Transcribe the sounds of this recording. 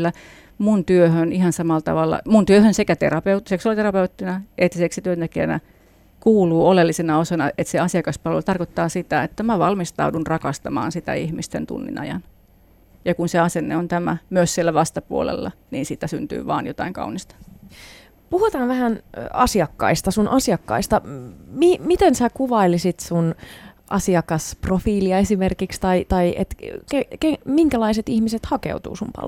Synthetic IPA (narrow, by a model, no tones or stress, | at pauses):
lːæ | munt̪yøhønihɑnsɑmɑlt̪ɑ̰ʋɑlːɑ̰munt̪yøhønsekæt̪ḛrɑpeut̪seksuɑlit̪erɑpeut̪ːinæʔet̪ːseksit̪yønt̪ekiæ̰næ̰ | kuːluːolelːisenɑosɑnɑet̪seɑsiɑkɑspɑlʋḛlt̪ɑrkot̪ːɑːsit̪æet̪ːæmæʋɑlmist̪ɑ̰udunrɑkɑst̪ɑmɑ̰ːnsit̪æ̰ihmist̪ḛnt̪ṵnːḭnɑ̰jɑ̰n | jɑkunseɑsenːḛont̪æmæ̰myøssielːæʋɑst̪ɑpuolḛlːɑ | niːnsiːt̪æsynt̪y̰ːʋɑːnjot̪ɑiŋkɑ̰unist̪ɑ̥ | puhut̪ɑːnʋæhænɑsiɑkːɑ̰ist̪ɑsunʔɑsiɑkːɑ̰ist̪ɑmimit̪ensækuʋɑilisit̪sunʔɑ̰siɑkɑsprofiːliɑesimerkikst̪ɑit̪ɑiʔḛt̪kekemiŋkælɑiset̪ihmiset̪hɑkḛut̪ṵːsumpɑ̰l̰